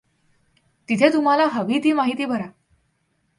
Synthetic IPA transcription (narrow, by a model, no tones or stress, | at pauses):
t̪it̪ʰet̪um̤alaɦəʋiːt̪iːmaɦit̪iːbʱəɾa